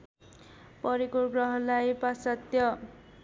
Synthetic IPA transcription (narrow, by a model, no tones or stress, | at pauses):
pʌɾikorɡrʌɦʌlajpasat̪jʌ